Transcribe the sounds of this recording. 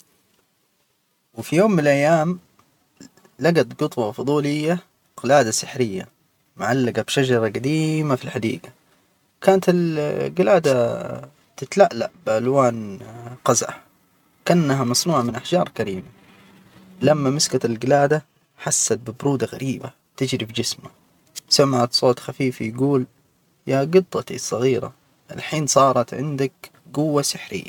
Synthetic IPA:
wɪfijoːmːɪnalʔajːaːm | laɡat̪ɡʊt̪ˤwɑfʊd̪ˤuːlɪjːa | ɡɪlaːd̪asɪħɾɪjːa̰ | mʊʕalːaɡabʃad͡ʒɑɾˤɑɡad̪iːmafilħad̪ḭːɡa | kaːnat̪ɪlɡɪlaːd̪a | t̪ɪt̪laʔla̰ʔbɪʔalwaːnqazʔa̰ | kanːaɦamɑsˤnuːʕamɪnʔaħd͡ʒɑːɾˤkaɾḭːma | lamːamɪskaɪlɡɪlaːd̪a | ħasːat̪̚bɪbɾuːd̪aɣa̰ɾiːba̰ | t̪ɪd͡ʒɾibd͡ʒɪsma | samːaʕat̪sˤoːt̪xafiːfijɡuːl | jaɡɨt̪ˤːɑt̪ḭsˤɑɣiːɾa̰ | ʔɪlħiːnsˤɑːɾˤɑt̪ʕɪ̰nd̪ak | ɡʊwːasɪħɾɪ̰jːa̰

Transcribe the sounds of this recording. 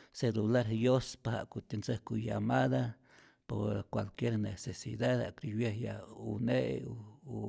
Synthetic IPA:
selulaɾjospaha̰ʔkut̪ent͡sehkujamaða | poɾkwalkjeɾnesesiðaða̰ʔkɾiβjehjauneʔ

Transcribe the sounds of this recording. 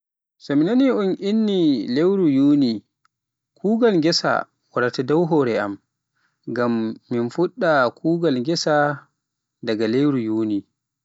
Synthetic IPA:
sɔminaniʔunʔinːilewɾujuːni | kʰuːɡalŋɡɛsa̰ | waɾatadawɦɔɾɛʔa̰m | ɡamːinfuɗːakʰuːɡalɡɛsa | daɡalewɾujuːni

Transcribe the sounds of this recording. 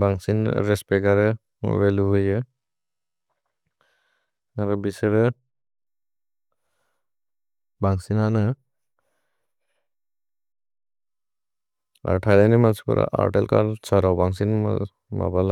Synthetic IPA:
baŋsinɾespeɡaɾɯ̰ | beluɦɯjɯ | aɾɔbisɯɾɯ | baŋsinanɯ | a̰ɾtʰajlanimasi̥pɯ̰ɾa̰ʔa̰ɾʈelkʰa̰ɾsaɾawbaŋsin̰ | ma̰bala

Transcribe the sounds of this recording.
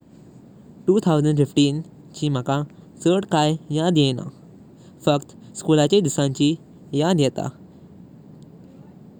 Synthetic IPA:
ʈuːt̪ʰawzəɳɖfifʈiːn | t͡ɕiːm̤akãsəʈkajjad̪jɛna̰ | fəkt̪ | skulat͡ɕed̪isãɲt͡ɕiː | jad̪jɛt̪a̰

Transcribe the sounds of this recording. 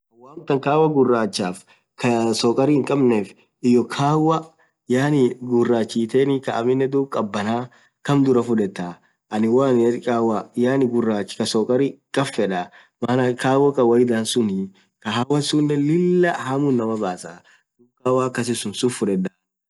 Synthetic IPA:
ɐwaːnt̪ːɐŋkaːwɐɡʊrːaːt͡ʃːaːf | kʰɐsɔkʼɐɾiɪŋkʼɐbneːf | ɪjɔkʰaːwɐ | jaːnɪɡʊrːaːt͡ʃːiːt̪eːnɪkɐʔɐmɪnːɛd̪uːkʼɐbːɐnaː | kɐmd̪ʊɾɐfʊᶑɛt̪ːa | ʔɐnɪwaːnkʼaːwajaːnɪɡʊrːaːt͡ʃːkɐsɔːkʼɐɾikʼɐfːɛᶑɐ | maːnɐkaːwːɐkʼɐwɐjɪd̪aːnsʊnɪ | kɐɦawɐsʊnːɛlɪlːɐhamʊnːɐmɐbaːsa | d̪ukaːwaːkːɐs̬ɪsʊnsʊfʊᶑɛd̪a

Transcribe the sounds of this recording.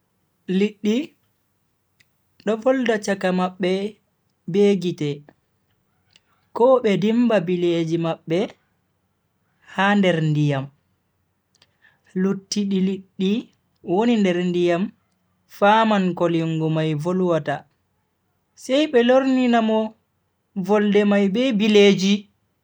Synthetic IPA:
liɗːi | ɗɔvɔldat͡ʃakamaɓːɛ | beːɡitɛ | kɔɓɛdimbabiled͡ʒimaɓːɛ | handɛɾndijam | lutːiɗiliɗːi | wonindɛɾndijam | faːmankoliŋɡɔmajvolwata | sɛjɓɛloɾninamɔ | vɔldɛmajbɛbileːd͡ʒi

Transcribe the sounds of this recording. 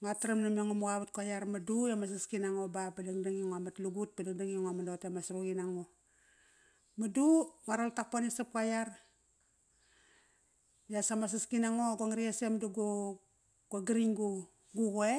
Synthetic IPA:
ŋataɾamnamoŋamuɣaβat̚kajarmadujamas̬askinaŋobabadaŋdaŋiŋoamatluɡut̚padaŋdaŋiŋamandotamasɾuɡinaŋo | maduŋaɾoltak̚ponesap̚kajar | jasamas̬askinaŋoɡoŋaɾiasemduɡo | kaɡɾiŋɡu | ɡuɡoe

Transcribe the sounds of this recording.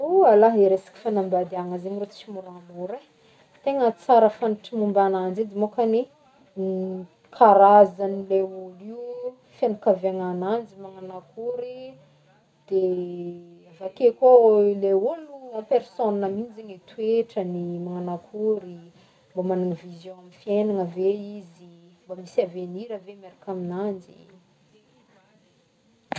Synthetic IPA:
ualaɦeɾesḁki̥fanambad̪eaŋəzeɲrot͡si̥t͡ʃimuɾanuɾe | t̪eŋət͡saɾəfaniʈ͡ʂimumbanand͡zed̪emokane | i | kʰaɾazanileuliu | fjanukavaŋanand͡ʒimaŋanakuɾi | d̪̥e | avakekoleuluampeɾsonnamind͡ʒiŋet̪ueʈ͡ʂənimaŋanakʰuɾi | mbamananivizjõamifienaŋəveizimbamisaveniɾəvemeɾakaminand͡ʒḭ

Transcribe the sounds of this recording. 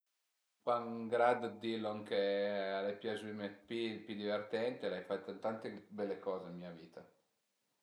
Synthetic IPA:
paŋɡɾad̪d̪ilːoaŋkealepjazumepipjud̪ivert̪ɛnt̪elajfat̪ːat̪ant̪ebɛlːekɔːzeimmiːaviːt̪ʰa

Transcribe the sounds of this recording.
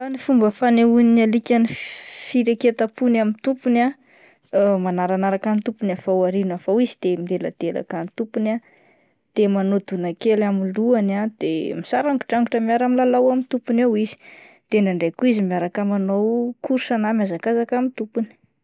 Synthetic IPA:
zanifumbəfaneuninalikʲanifiɾeket̪apunamint̪upuna | manaɾanaɾakanit̪upunafawaɾinafawizid̪̥emind̪ela̰d̪̥ela̰kanit̪upuna | d̪̥emanod̪unakelamiluanad̪̥emisaɾaŋɡu̥ʈ͡ʂaŋɡuʈ͡ʂəmaɾamilalawamint̪upunawizi̥ | d̪̥eɳɖ͡ʐaɳɖ͡ʐekuizimaɾakamanowkʰuɾʃanamjazakazakamit̪upuni̥

